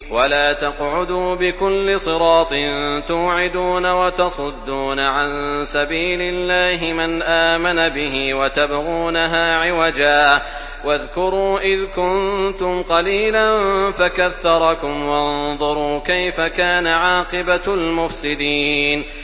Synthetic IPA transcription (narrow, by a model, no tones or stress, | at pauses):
walaːt̪ɑqʕʊd̪uːbɪkʊlːɪsˤɨɾɑːt̪ˤɪnnt̪uːʕɪd̪uːnawat̪ɑsˤʊd̪ːuːnaʕansabiːlɪlːaːɦɪmanʔaːmanabɪɦiwat̪abɣuːnaɦaːʕɪwad͡ʒaː | waðkʊɾuːʔɪðkʊnt̪ʊmqɑliːlanfakaθːɑɾˤɑkʊmwɑnðˤʊɾˤuːkajfakaːnaʕɑːqɨbalmʊfsɪd̪iːn